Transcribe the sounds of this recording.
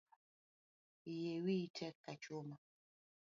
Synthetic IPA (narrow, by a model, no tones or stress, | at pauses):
jewitʰɛkːat͡ʃoma